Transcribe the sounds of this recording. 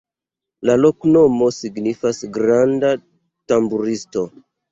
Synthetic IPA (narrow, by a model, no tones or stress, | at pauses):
lalo̞kno̞mo̞siɡnifasɡɾanda | tambuɾisto̞